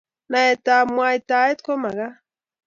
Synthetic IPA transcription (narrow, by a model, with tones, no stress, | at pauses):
na˨ɛ˨ta˨mwa˨i˨ta˨e˦t̪ko˦ma˨ɣa˦